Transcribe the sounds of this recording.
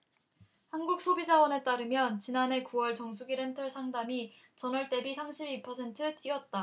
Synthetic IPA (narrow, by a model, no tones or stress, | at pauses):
hanɡuk̚s͈ʰobid͡ʑawʌne̞t͈aɾɯmjʌnt͡ɕinanɦe̞kuwʌɭt͡ɕʌŋs̬ʰuɡiɾentʰɯɭsʰaŋdami | t͡ɕʌnʌɭt͈e̞bisʰamɕʰibipʰʌsʰe̞ntʰɯt͈iʌt̚t͈a